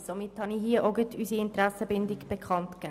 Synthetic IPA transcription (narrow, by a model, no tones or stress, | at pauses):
somɪthɑniɦiəʔoɡətʰysiɪntɾæsəbɪndɪɡb̥ekχɑntkɛː